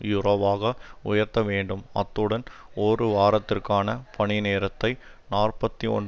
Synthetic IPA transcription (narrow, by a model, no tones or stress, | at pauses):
juːɾoːʋaːɣɐʊ̰jɐɾt̪ɐʋeːɳɖɯmɐ̰t̪ːɯɽɐnorɯʋaːɾɐt̪ːɪrkaːnɐpɐɳɪneːɾɐt̪ːɐɪnaːrpɐt̪ːiɔ̰ɳ